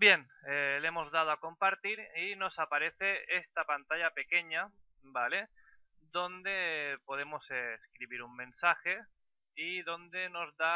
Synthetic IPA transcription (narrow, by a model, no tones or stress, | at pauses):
bjen | elemo̞zðað̞oako̞mpaɾt̪iɾino̞sapaɾe̞θe̞est̪apant̪aʎape̞ke̞ɲa | bale̞ | d̪o̞nd̪e̞po̞ð̞e̞mo̞seskɾiβiɾummẽ̞nsaxe̞ | iðo̞nd̪e̞no̞zða